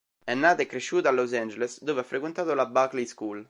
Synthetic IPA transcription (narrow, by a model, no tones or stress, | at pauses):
ɛnːaːt̪ekːɾeʃːuːt̪alːos̬ɛnd͡ʒelesd̪oːveafːɾek̬went̪aːt̪olabakliskuːl